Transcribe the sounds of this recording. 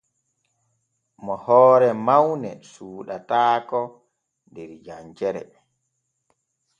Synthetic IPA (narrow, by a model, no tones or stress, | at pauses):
mɔhɔːɾɛmawnɛsuːɗataːkɔ | ndɛɾd͡ʒaɲd͡ʒɛɾɛ̰